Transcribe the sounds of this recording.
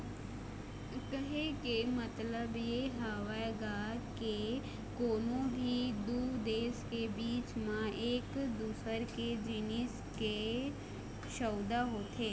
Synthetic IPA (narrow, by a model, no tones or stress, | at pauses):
ʊkəɦekemət̪ləbjeɦaːʋaɡaːɾke | koːnõbʱid̪uːd̪eːskebiːt͡ʃmãeːkd̪uːsəɾked͡ʒɪnɪs | ke | ʃəːd̪aɦoːt̪ɦeː